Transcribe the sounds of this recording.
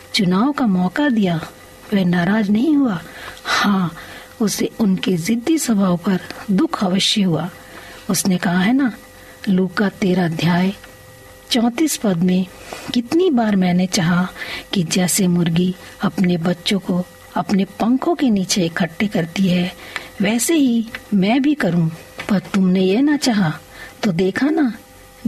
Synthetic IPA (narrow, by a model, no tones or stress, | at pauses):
t͡ʃʊnaːʋokamɔːkad̪ija | ʋɛnaːɾaːd͡ʒnɐɦĩɦuahãː | ʊseʊnkezɪd̪ːisɐbʱaːʋopɐɾd̪ʊkʰaːʋəʃjəɦuaː | ʊsnekɐɦaɦɛna | luːkat̪eːɾad̪ʱjaːj | t͡ʃɔ̃ːt̪iːspɐd̪mẽ | kɪt̪nibaːɾmɛ̃ːnet͡ʃaːɦakid͡ʒɛːsemʊɾɡi | ɐpnebɐtːʃõko | ɐpnepɐ̃ŋkõkeniːt͡ʃeɪkʰɐʈːekɐɾt̪iɦɛʋɛːseɦimɛ̃bʱikɐɾũ | pɐɾt̪ʊmnejenat͡ʃaːɦa | t̪od̪eːkʰana